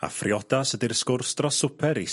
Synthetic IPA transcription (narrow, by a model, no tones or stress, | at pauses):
a̰frjɔdasədirskʊrstrɔsʊpʰɛɾi